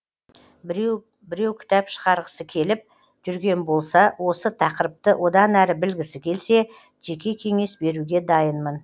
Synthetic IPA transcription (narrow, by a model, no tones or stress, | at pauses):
bɪɾewkʲʰɪ̥t̪ɑpʃə̥ʁɑɾʁəsəkʲʰe̞lɪp̚ | ʒ̥ʏɾɡʲe̞nbo̞lˠsɑwʔo̞sət̪ʰɑqəɾəp̚t̪əwʔo̞d̪ɑnæɾɪbɪlɡʲɪsɪkʲʰe̞lse̞ | ʒ̥e̞kʲe̞kʲʰe̞ŋe̞sbe̞ɾuɡʲe̞d̪ɑjənmən